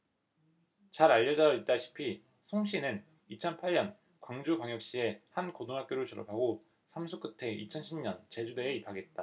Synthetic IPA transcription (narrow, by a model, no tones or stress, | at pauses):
t͡ɕaɾaʎːʌd͡ʑait͈aɭɕʰi̥pʰi | sʰoŋɕʰinɯn | it͡ɕʰʌnpʰaɭɲʌn | kwaŋd͡ʑukwaŋjʌk̚ɕ͈ie̞hankodoŋɦak͈joɾot͡ɕʰɯɾʌpʰaɡo | sʰamsʰuk͈ɯtʰe̞ʔḭt͡ɕʰʌnɕʰimɲʌnt͡ɕe̞d͡ʑude̞ːipʰaɡe̞t̚t͈a